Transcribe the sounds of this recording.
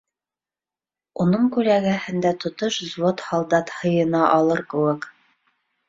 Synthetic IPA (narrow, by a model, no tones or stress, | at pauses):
unɤŋkʉlæɡæhɘ̆nd̪æt̪ŏt̪oʃzwot̪hɑlˠd̪ɑt̪hɤ̆jɤ̆nɑʔɑlˠɤɾkɘ̆wɘk